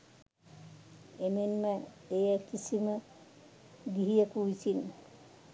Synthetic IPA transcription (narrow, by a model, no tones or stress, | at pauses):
emenməejəkisimə | ɡiɦijəkuʋisin